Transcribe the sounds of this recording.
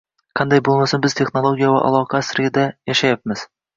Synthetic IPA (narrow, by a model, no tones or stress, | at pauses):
qʰɑnd̪ajbolˠmasɪnbɪz̥t̪ʰe̞χnolˠoɡʲijava̰ʔɑ̰lˠɒqʰɑsɪɾʲɪd̪ajaʃajapmɪz̥